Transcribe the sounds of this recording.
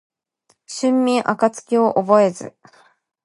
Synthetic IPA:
ɕɨ̃mːʲĩɰʔa̰kat͡sɨ̥kʲio̞ʔobo̞e̞zɨ̰

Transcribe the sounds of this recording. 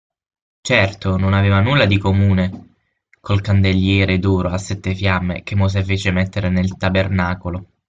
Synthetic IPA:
t͡ʃɛrt̪ononaveːvanulːad̪ikomuːne | kolkand̪eʎːjɛːɾed̪ɔːɾoasːɛt̪ːefjamːḛk̟emːos̬efeːt͡ʃemɛt̪ːeɾenelt̪abernaːkolo

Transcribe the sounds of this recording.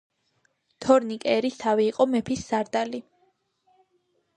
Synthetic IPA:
t̪ʰɔɾnikʼɛɾist̪ʰaviːqʼɔmɛpʰisːaɾd̪ali

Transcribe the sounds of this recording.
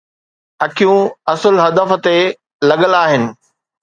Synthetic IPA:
ɐkʰijũɐsʊlɦɐd̪əf̆t̪e | lɐɠəlaːɦɪnɪ̆

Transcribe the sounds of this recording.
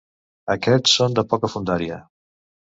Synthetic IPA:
əkɛt͡sːond̪əpɔkəfund̪aɾiə̰

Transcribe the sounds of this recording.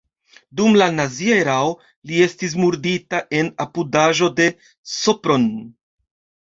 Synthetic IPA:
dumlanazieɾawo | lie̞stis̬muɾditaʔe̞napudaʒo̞de̞ | sopɾo̞n

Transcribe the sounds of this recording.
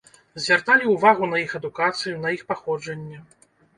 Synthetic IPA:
zʲvʲart̪alʲiuvaɣunɐjixɐd̪ukat̪sɨjunɐixpaxɔd͡ʐɐnʲːɛ

